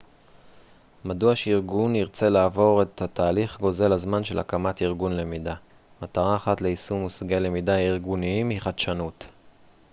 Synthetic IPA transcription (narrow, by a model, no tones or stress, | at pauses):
maduaʃeiʁɡuniʁt͡se̞laːvo̞ʁe̞thatʰaːliχɡo̞ze̞lazmanʃe̞la̰kamatiʁɡunle̞mida | mataʁaːχatle̞isumusaɡele̞midaaiʁɡuniimhiχadʃanut